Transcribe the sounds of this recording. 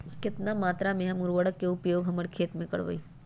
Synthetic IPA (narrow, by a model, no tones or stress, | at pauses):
kɪt̪namaːt̪ɾamẽɦɐmʊɾʋəɽəkːeʊpjoːɡɦɐməɽkʰeːt̪mẽkɐ̰ɽʋə̰iː